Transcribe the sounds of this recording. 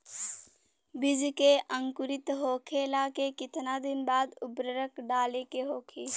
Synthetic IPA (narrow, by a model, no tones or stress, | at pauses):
bɪd͡ʒkeʔə̃ŋkʊɾɪt̪ɦoːkʰelaːkekɪt̪nad̪ɪnbaːd̪ʊbɾəɾəkɖaːlekeɦoːkʰe